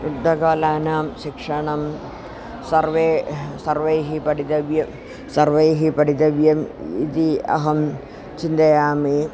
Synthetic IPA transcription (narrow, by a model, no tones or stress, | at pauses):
ud̪ːɐɡaːlaːnaːmɕikʂɐɳɐm | sɐrʋeːsɐrʋɐjɦipɐɽid̪ɐʋjɐ | sɐrʋejɦipɐɽid̪ɐʋjɐmḭt̪iɐ̰ɦɐm | t͡ʃind̪ɐjaːmi